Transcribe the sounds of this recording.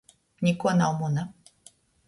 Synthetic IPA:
nʲikɔnawmuna

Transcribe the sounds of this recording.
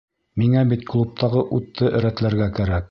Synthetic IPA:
miŋæbit̪klˠup̚t̪ɑʁɤʔut̪ːɤʔɘ̆ɾæt̪læɾɡækæɾæk̚

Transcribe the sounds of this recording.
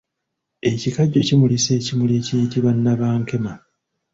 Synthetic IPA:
e̞cikaɟːo̞cimulise̞ːcimuleːcijitiβanːaβaːŋke̞ma

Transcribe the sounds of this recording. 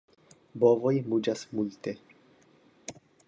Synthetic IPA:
bovojmud͡ʒasmulte̞

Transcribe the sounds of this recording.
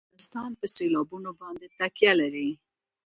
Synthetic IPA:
ɪst̪ɑnpəselɑbunobɑnd̪et̪akjalaɾi

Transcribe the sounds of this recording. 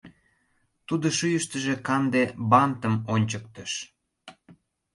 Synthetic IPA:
t̪ud̪oʃyjəʃt̪əʒekɑnd̪ebɑnt̪əmonʲt͡ɕək̚t̪əʃ

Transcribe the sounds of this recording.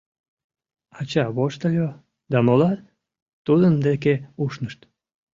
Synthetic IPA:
ɑt͡ɕɑβoʃt̪əlʲo | d̪ɑmolɑ | t̪ud̪ənd̪ekeuʃnəʃt̪

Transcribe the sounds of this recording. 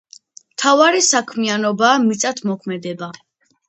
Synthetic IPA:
mt̪ʰavaɾisakʰmianɔbaːmit̪sʼat̪ʰmɔkʰmɛd̪ɛba

